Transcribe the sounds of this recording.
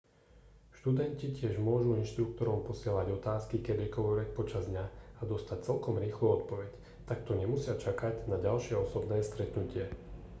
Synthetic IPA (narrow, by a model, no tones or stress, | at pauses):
ʃt̪ud̪ɛncicɪɛʒmʊɔʒuinʃt̪ɾuk̚t̪ɔɾɔmpɔsɪɛlaɟɔt̪aːskikɛd̪iɛkɔʋɔɾɛc̚pɔt͡ʃazd̪ɲaad̪ɔst̪ac̚t͡sɛlkɔmɾiːxluɔt̪pɔʋɛc | t̪ak̚t̪ɔɲɛmusɪat͡ʃakaɟnaɟalʃɪɛɔsɔbnɛːst̪ɾɛt̪nucɪɛ